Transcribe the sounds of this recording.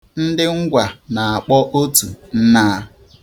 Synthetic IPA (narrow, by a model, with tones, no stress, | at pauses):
n̩˦dɪ˦ŋ̩˦ɡʷa˨na˨a˨k͡pɔ˦ʔo˦tu˨n̩˦na˦